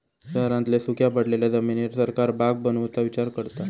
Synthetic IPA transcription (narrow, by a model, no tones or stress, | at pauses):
ɕəɦɾãnt̪lesukʰjapəɽleljad͡zəminiɾsəɾkaɾbaɡ̚bənəʋt͡saʋit͡ɕaɾkəɾt̪a